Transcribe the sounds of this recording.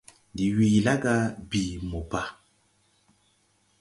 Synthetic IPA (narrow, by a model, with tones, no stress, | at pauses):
di˨wi˨la˦ɡa˦bi˨mo˨pa˨